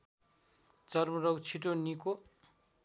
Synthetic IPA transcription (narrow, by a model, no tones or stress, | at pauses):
t͡sʌrmʌrʌwt͡sʰiʈoniko